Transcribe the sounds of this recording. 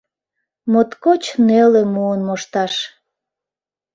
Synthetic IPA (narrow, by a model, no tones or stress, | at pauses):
mot̪kot͡ɕnelemuənmoʃt̪ɑʃ